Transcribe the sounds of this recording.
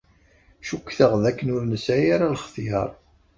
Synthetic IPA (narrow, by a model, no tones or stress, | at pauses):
ʃukːθəʁðækːənʊɾnəsæjaɾalχθihə̰ɾˤ